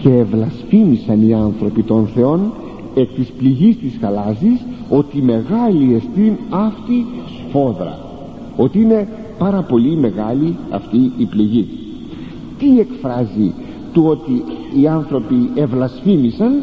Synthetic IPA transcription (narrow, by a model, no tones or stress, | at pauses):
ce̞ːvlɐsfimisɐniɐnθɾo̞pit̪o̞nθe̞o̞n | e̞k̚t̪ispliʝist̪isxɐlɐziso̞t̪ime̞ɣɐlie̞st̪inɐft̪isfo̞ðɾɐ̰ | o̞t̪iine̞ | pɐɾɐpo̞lime̞ɣɐliɐ̰ft̪iːpliʝi | t̪ie̞kfɾɐzi | t̪uo̞t̪iiɐnθɾo̞pie̞vlɐsfimisɐn